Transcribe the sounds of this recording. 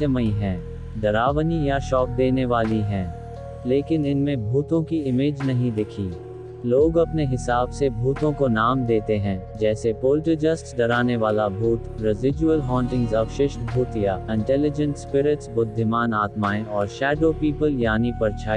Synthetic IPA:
səməĩɦɛ̃ː | ɖ̪ɐɾaːʋnijaʃɔːk̚d̪eːneʋaːliɦɛ̃ː | leːkɪnɪnmẽbʱuːt̪õkiɪmeːd͡ʒnɐɦĩd̪ɪkʰiː | loːɡɐpneɦɪsaːbsebʱuːt̪õkonaːmd̪eːt̪eɦɛ̃ː | d͡ʒɛːsepoːlʈəd͡ʒəsʈɖɐɾaːneʋaːlabʱuːt̪ɾɪzɪd͡ʒuəlɦɔ̃ːɳʈɪ̃ŋɡzɐʋʃɪʃbʱuːt̪jaɪ̃ɳʈɛlɪd͡ʒə̃ɳʈspɪɾɪʈsbʊd̪ʱːɪmaːnaːt̪maːẽɔːɾʃɛːɖoːpiːpəljaːnipɐɾt͡ʃʰaː

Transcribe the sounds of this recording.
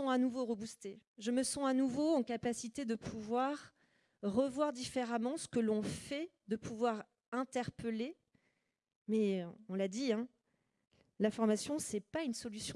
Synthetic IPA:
ɔ̃anuvoʁəbust̪eʒəməsɑ̃anuvoɑ̃kapasit̪ed̪əpʰuvwaʁ | ʁəvwaʁd̪ifeʁamɑ̃sə̥kəlɔ̃fɛ | d̪əpʰuvwaʁ | ɛ̃t̪ɛʁpəle | mɛɔ̃lad̪iɛ̃ | lafɔʁmasjɔ̃sɛpaynsɔlysjɔ̃

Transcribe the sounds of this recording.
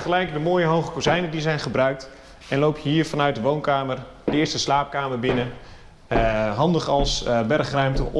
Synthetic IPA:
χəlɛjkdəmoːjəɦowχəkozɛjnədizɛjnχəbrœɥk̚t | ɛnlowpjɦiːɹfɑnœɥt̚dəʋownkaːmər | dəɪːstəslaːp̚kaːmərbɪnə | ɦɑndəχɑlˠsbɛrχrœɥmtə̰

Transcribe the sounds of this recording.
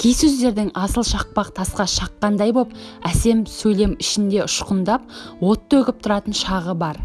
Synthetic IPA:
kʲʰijsɵzd̪e̞ɾd̪ɪŋɑsəlˠʃɑq̚pɑq̚t̪ʰɑsqɑʃɑqːɑnd̪ɑjbo̞p̚æse̞msɵjle̞mɪʃɪnd̪e̞ʊʃqənd̪ɑp̚wo̞t̪ːɵkʲɪp̚t̪ʰʊɾɑt̪ənʃɑʁəbɑɾ

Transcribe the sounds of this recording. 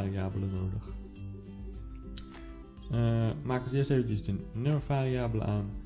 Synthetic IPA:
riaːbələnoːdəx | maːkəsɪːsteːvəntəsdənøfariaːbələ̰ʔaːn

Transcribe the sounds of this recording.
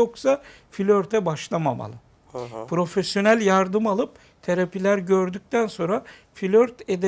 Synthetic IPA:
oksa | filʲøɾt̪ʰɛbaʃlˠama̰ma̰lˠɯ | pʰɾo̞fesjo̞nælʲjaɾd̪ɯmalˠɯp̚ | t̪ʰeɾapʰilʲæɾɟø̞ɾd̪yc̚ʲt̪ʰænso̞nɾa | filʲøɾt̪ed̪

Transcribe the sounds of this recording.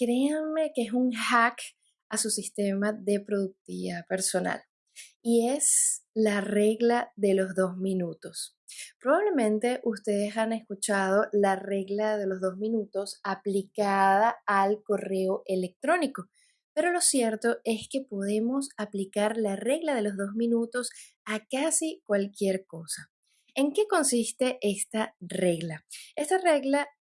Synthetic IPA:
kɾe̞anme̞kesuŋxak | asusist̪e̞maðe̞pɾoðuk̚t̪iape̞ɾso̞na̰l | ieslare̞ɣlaðe̞lo̞zðo̞zmĩnut̪o̞s | pɾoβaβle̞mẽ̞nt̪e̞ʔust̪e̞ð̞e̞sane̞skut͡ʃað̞o̞lare̞ɣlaðe̞lo̞zðozmĩnut̪o̞saplikaðaːlko̞re̞oʔe̞le̞k̚t̪ɾo̞niko̞ | pe̞ɾo̞lo̞sje̞ɾt̪o̞ʔe̞ske̞po̞ð̞e̞mo̞saplikaɾlare̞ɣlað̞e̞lo̞zðo̞zmĩnut̪o̞s | akasikwalkje̞ɾko̞sa | eŋke̞ko̞nsist̪e̞ʔe̞st̪are̞ɣlaest̪are̞ɣla

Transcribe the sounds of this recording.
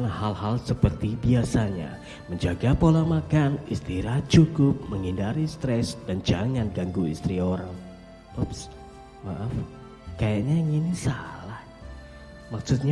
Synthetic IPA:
nhalhalsəpərt̪ibiasaɲa̰ | məɲd͡ʒaɡapolamakanist̪iɾaht͡ʃukʊp̚məŋindaɾist̪ɾɛsd̥and͡ʒaŋanɡaŋɡuḭst̪ɾioɾaŋ | pɔps | maʔaf | kajaʔɲajŋinisa̰lah | maksut̪̚ɲa

